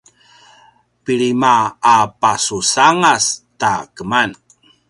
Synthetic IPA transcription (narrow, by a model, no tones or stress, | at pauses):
piɾimaːpasusaŋastakəman